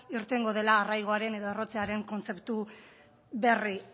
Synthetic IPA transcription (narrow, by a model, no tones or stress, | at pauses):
iɾt̪e̞ŋɡo̞ðe̞laːrajɣ̞o̞aɾe̞ne̞ðo̞e̞ro̞t͡seaɾe̞ŋko̞nt͡se̞pt̪u | βe̞ri